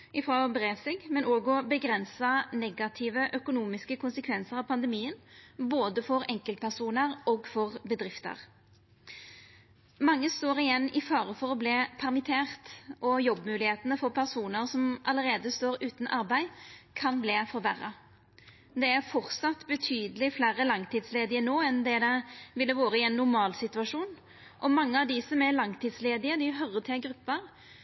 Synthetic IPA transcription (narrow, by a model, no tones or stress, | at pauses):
ɪfɾoːbʁeːsɛɡmɛnoːɡɔbəɡʁɛnsɑnɛɡɑt̪ʰɪːʋəʔœkʊnuːmɪskəkʰʊnsəkʰʋɛnsəʁɑʋpʰɑnd̪əmiːənboːd̪əfɔʁɛŋkəlt̪̚pʰæʁsuːnəʁɔɡfɔʁbəd̪ʁɪft̪ə̰ʁ | mɑŋːəst̪oːʁɪjɛnːɪfɑːʁəfɔʁɔbleːpʰæʁmɪt̪ʰeːʁt̪ʔɔjɔbːmʉːlɪheːt̪ənəfɔʁpʰæʁsuːnəʁsɔmʔɑləʁeːd̪əst̪oːɾʉːt̪nʔɑʁbæɪkʰɑnbleːfɔɾʋæʁɑ | d̪ɛæɾfɔʁt̪sɑt̪ːbət̪ʰyːd̪əlɪflæːʁəlɑŋt̪ʰiːd̪sleːd̪ɪənoːɛnd̪ɛd̪ɛʋɪlːəʋoːɾəɪɛnːʊʁmɑːlsɪt̪ʉɑʂuːn | ʔɔmɑŋːəɑʋd̪ɪsɔmɛlɑŋt̪ʰiːd̪sleːd̪ɪəd̪ɪɦœɾət̪ʰɪlɡɾʉpːəʁ